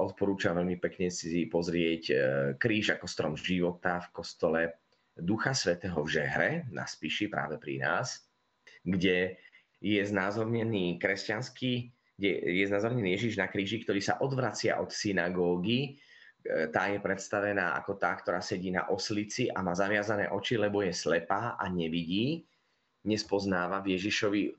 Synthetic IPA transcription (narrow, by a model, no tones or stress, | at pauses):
ʔɔt̪̚pɔɾuːt͡ʃamʋɛʎmipɛkɲɛsipɔzɾɪɛckɾiːʒakɔst̪ɾɔ̰mʒiʋɔt̪afkɔst̪ɔlɛ | d̪uxasʋɛt̪ɛːɦɔvʒɛɦɾɛna̰spiʃipɾa̰ːʋɛpɾḭna̰ːs | ɡɟɛ | jɛznaːzɔɾɲɛniːkɾɛscanski | ɛjɛznaːzɔɾɲɛniːjɛʒiʒnakɾiːʒikt̪ɔɾiːsa̰ʔɔd̪ʋɾat͡sɪa̰ʔɔt̪sinaɡɔːɡi | t̪aːjɛpɾɛt̪st̪aʋɛnaːʔa̰kɔt̪aːk̚t̪ɔɾaːsɛɟiːna̰ʔɔslit͡siʔamaːzaʋɪazanɛ̰ːʔɔt͡ʃilɛbɔjɛslɛpaːʔaɲɛʋiɟiː | ɲɛspɔznaːʋavjɛʒiʃɔʋi